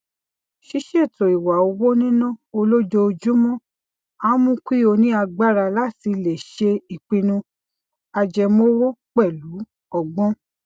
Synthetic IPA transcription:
ʃi˦ʃe˦˨to˨i˨wa˨o˧wo˦nĩ˦nũ˦˨o˧lo˦d͡ʒo˧o˧d͡ʒu˦mɔ̃˦˨ | a˦mũ˦kʷi˦˨o˧nĩ˦a˧ɡ͡ba˦ɾa˧la˦ti˧le˨ʃe˧i˨k͡pĩ˧nũ˧ | a˧d͡ʒɛ˧mõ˦wo˦k͡pɛ˦˨lu˨˦ | ɔ˨ɡ͡bɔ̃˦

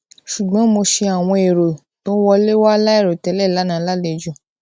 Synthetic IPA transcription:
ʃu˨ɡ͡bɔ̃˨˦mo˧ʃe˧a˨w̃ɔ̃˧e˨ɾo˨ | tõ˨˦wɔ˧le˦wa˦la˦e˦˨ɾo˨tɛ˧˦lɛ˦˨la˨˦nã˨˦la˦˨le˧˨d͡ʒũ˦˨

